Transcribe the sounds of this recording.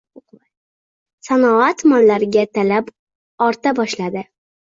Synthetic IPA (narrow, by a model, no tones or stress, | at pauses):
sanɒat̪manlaɾɪɡʲat̪ʰalap | ɒɾt̪abɒʃlad̪ɪ